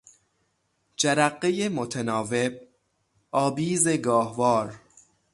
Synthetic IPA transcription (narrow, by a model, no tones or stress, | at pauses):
d͡ʒæɾæɢːejemot̪ʰenɒːve̞b̚ | ɒːbiːze̞ɡɒːhvɒːɾ